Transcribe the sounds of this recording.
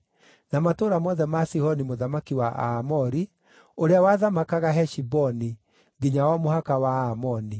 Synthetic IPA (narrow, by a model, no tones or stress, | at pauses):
namatoɾamɔðɛmasihɔnimoðamakiwaʔa̰ːmɔɾi | oɾeawaðamakaɣaɦɛʃibɔni | ɡiɲawɔmohakawaamɔni